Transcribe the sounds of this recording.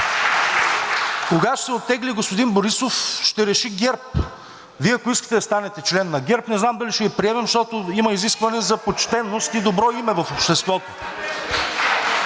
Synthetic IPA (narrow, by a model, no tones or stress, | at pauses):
koɡat̪o̥sɛot̪ːɛɡliɡospod̪inboɾisofʃt̪ɛɾɛʃiɡʲɛɾp̚ | viɛɐkʊiskə̥t̪ɛd̪ɐst̪anɛt̪ɛt͡ʃlɛnːɐɡʲɛɾpnɛznamd̪ɐliʃɛɡipɾiɛmɛmʃt̪ɔt̪oimɐiziskvɐnɛzɐpot͡ʃt̪ɛnːost̪id̪obɾɔimɛvɐfopʃt̪ɛst̪vɔt̪o